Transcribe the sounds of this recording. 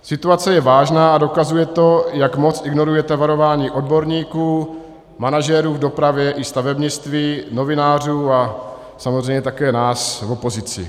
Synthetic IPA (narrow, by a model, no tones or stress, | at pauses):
sɪt̪uat͡sɛjɛvaːʒnaːadokazujɛt̪o̞jakmo̞t͡sɪɡno̞ɾujɛt̪ɛvaɾo̞vaːɲiːʔo̞dbo̞ɾɲiːkuː | manaʒɛɾuːvdo̞pɾavjɛʔɪst̪avɛbɲɪt͡st̪viːno̞vɪnaːr̝uːa | samozr̝ɛjɲɛt̪akɛːnaːsvo̞po̞zɪt͡sɪ̰